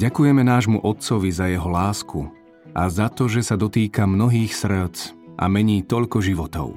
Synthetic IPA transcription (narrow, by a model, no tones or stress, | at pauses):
ɟakujɛmɛnaːʒmṵʔɔt̪̚t͡sɔʋizajɛɦɔlaːskʰu | ʔazat̪ɔʒɛsad̪ɔt̪iːkamnɔɦiːxsr̩t͡s | ʔa̰mɛɲiːt̪ɔʎkɔʒiʋɔt̪ɔ̰ʊ